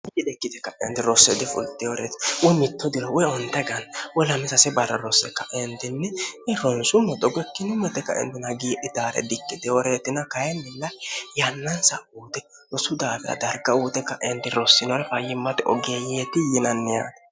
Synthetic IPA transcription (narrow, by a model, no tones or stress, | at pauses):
ɪɪdɛkːɪd̪ɛkːɐʔɛ̰nt̪ɪɾɔsːɛd̪ɪfʊ̰lt̪ːɛwɔɾeːt̪ɪ̥wɔjmɪt̪ːɔd̪ɪɾɔwɔjɔnt̪ɐɡɐnwɔlɐmɛsɐsɛbɐrːɐɾɔsːɛkːɐʔɛnt̪ɪnːɛɪɾɔnsʊmɛt̪ɔɡɛkːɪnʊmɛt̪ːɛkːɐ̰ʔɛ̰nt̪ɪnɐɡiːʔɪt̪aːɾɛ̰d̪ɪkːɪd̪ɛwɔɾeːt̪ɪnɐkɐjɛnːɪlːɐjɐnːɐnsɐʔuːt̪ɛ | ɾɔsʊd̪aːfɪɾɐ̰d̪ɐɾɡɐuːt̪ɛkːɐʔɛnt̪ɪɾɔsːɪnɔɾɛfɐjɪmːɐt̪ɪʔɔɡeːjeːt̪ːɪjɪnɐnːɛja̰ːt̪